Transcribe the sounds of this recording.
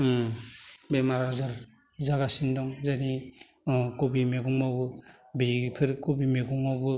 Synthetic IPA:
bemaɾazaɾ | zaɡasindɔŋzani | kobimeɡuŋmawbɯ | bipʰɯɾkobimeɡuŋawbɯ

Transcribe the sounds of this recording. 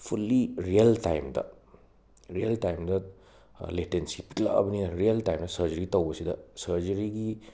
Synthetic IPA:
pʰulːiɾijɐlta̰jmdɐ̰ | ɾiɐltajmdɐ | letensipikla̰ɐ̰bɐniɾiɐltajmdɐsɐɾd͡ʒɐɾitɐwbɐsidɐsɐɾd͡ʒɐɾiɡi

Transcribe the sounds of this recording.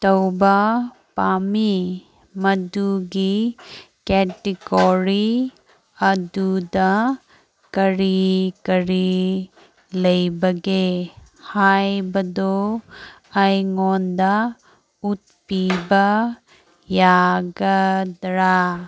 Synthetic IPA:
ʈɐwba | paːmi | mɐd̪uɡi | kɛːʈiɡɔɾi | ɐd̪ud̪a | kɐɾikɐɾi | lɐjbɐɡehaːjbɐd̪o | ɐjŋoːnd̪a | ut̪̚piba | jaːɡɐd̪ɾa

